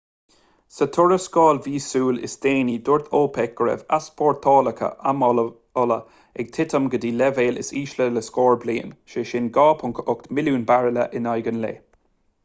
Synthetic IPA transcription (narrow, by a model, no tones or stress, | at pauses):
sət̪ʰʊɹəskɑːlviːsuːlɪ̰sd̪̥eːniːd̪ʊɹt̪ʰoːpʰɛk̚ɡ̥əɹɛ̰va̰spʰɔːɹt̪ʰɔːləkʰə̰ʔamɔ | ɔlə | ɛɡ̥̚t̪ʰɪt̪əmɡəd̪iːlɛveːlɪ̰siːʃlələskɔːɹbliːənʃeːʃɪnɡɑːpʰʊŋkʰəʔʊkt̪mɪluːnbaɹələ̰ʔɪnajɡənlḛː